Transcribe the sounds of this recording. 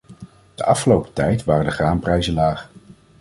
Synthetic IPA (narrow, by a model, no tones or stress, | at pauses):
d̥əʔɑfχəlowpə̥tɛjtʋaːrədəχaːmprɛjzənlaːχ